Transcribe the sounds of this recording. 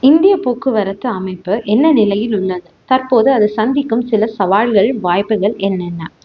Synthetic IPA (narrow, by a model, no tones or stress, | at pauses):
ɪnd̪ɪjɐpoːkːɯʋɐɾɐt̪ːɯɐmɐɪpːɯʔɛnːɐnɪlɐjɪlʊɭːɐðɯt̪ɐrpoːðɯɐðɯsɐnd̪ɪkːɯmsɪlɐsɐʋaːɻɣɐɭʋaːjpːɯɣɐɭɛnːɛnːɐ